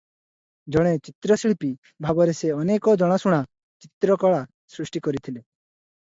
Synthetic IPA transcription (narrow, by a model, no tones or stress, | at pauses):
d͡ʒɔɽ̃et͡ʃit̪ɾɔsiɭpi | bʱabɔɾeseɔnekɔd͡ʒɔɽ̃ɔsuɽ̃a | t͡ʃit̪ɾɔkɔɭa | sɾuʃʈikɔɾit̪ʰile